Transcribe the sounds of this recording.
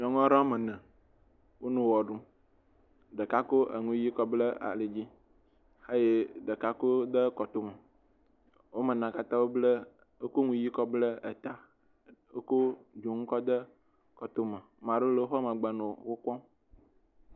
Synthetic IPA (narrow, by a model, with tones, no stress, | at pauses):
ɲɔ̃˨ŋɔ̃˦ɾã˦mə˨nɛ̃˨ | wo˦nũ˨wɔ˨ɖu˦ | ɖə˨ka˦ko˦ʔḛ˨ŋũ˦ji˦kɔ˦blə˦a̰˨le˨d͡ʑi˦ | e˦je˦ɖə˨ka˦ko˦d̪ə˦kɔ˨t̪o˦mə˨ | wo˦mə˨nã˨ka˦t̪ã˦wo˦blə˦ | e˦ko˦ŋũ˦ji˦kɔ˦blə˦e˨t̪a˦ | e˦ko˦d͡ʒo˨ŋũ˦kɔ˦d̪ə˦ | kɔ˨t̪o˦mə˨mã˨ɖo˦le˨o˦ɦɔ˦mə̃˨ɡ͡bə˨nõ˨wo˦kɔ̃˦